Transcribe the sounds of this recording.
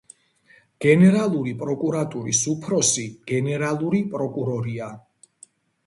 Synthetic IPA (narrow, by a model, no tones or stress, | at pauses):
ɡ̥ɛnɛɾalˠuɾipʼɾɔkʼuɾat̪ʼuɾḭsupʰɾɔsiɡ̥ɛnɛɾalˠuɾipʼɾɔkʼuɾɔɾia